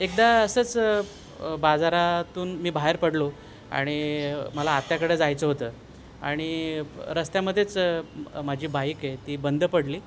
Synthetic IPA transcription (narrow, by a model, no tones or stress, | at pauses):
ek̚d̪aəsəːt͡s | bad͡zaɾat̪uːnmiːbʱaɦeɾpəɽlo | a̰ɽ̃iməlaːt̪jakəɽeːd͡zajt͡səɦot̪əː | a̰ɽ̃iɾəst̪jaməd̪ʱjet͡smad͡ʑʱiːbʱaiket̪iːbənd̪ʱpəɽliː